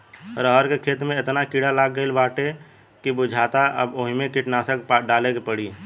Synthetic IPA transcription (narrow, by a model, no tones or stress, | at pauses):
ɾəɦəɾkekʰeːt̪mẽɪt̪nakiɽalaːɡːəilbaːʈe | kibʊd͡ʒʱaːt̪aʔə̰boɦimekiʈnaːsəkpɖaːlekepəɽi